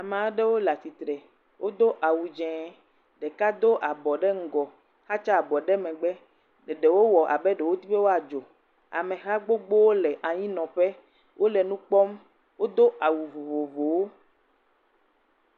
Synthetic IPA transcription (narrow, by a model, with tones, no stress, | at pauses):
a˨mã˨˦ɖe˦wo˦la˨t̪i˨t̪ɾɛ˨ | wʔo˦d̪o˦ʔa˨wu˨d͡ʒɛ̃˨˦ | ɖe˨ka˦d̪o˦ʔa˨bɔ˨ɖe˦ŋ̩˦˨ɡɔ˨ | ha˦t͡ʃa˦a˨bɔ˨ɖɛ˦mɛ̃˨ɡ͡bɛ˦ | ɖe˨ɖe˨wo˦wɔ˨ʔa̰˨bɛ˦ɖe˨wo˦t̪i˦ɸe˦wo˦a˨d͡ʒo˨ | a̰˨mẽ˨ɦa˦ɡ͡bo˦ɡ͡bo˦wo˦lɛ˨ʔa˨ɲĩ˦nɔ̃˨ɸɛ˦ | wʔo˦le˨nũ˦k͡pɔ˦m | wo˦d̪o˦a˨wu˨vo˨vo˨vo˨wo˦